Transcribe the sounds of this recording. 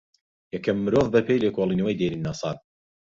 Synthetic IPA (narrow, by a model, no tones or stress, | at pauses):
jɐkʰɐmːɨɾoːðˤbɐpʰejlekoːlˠinɨwɐjd̪eɾinːɑsˤɑ̰ːt̪̚